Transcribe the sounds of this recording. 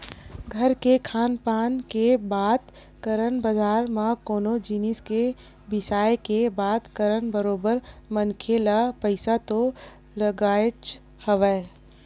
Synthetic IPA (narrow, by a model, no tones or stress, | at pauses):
ɡʱəɾkekʰaːnpaːnkebaːd̪ | kəɾənbəd͡ʒaːɾmãkoːnod͡ʒinɪske | bɪsaːekebaːd̪kəɾənbəɾoːbəɾmənkʰelapəɪsat̪o | ləɡaːt͡ʃ | həʋɛː